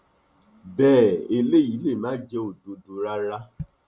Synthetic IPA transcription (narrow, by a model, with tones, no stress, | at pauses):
bɛː˦˨e˧le˦˨i˨˦le˦˨mãː˦d͡ʒɛ˦o˨do˨do˨ɾa˦ɾa˦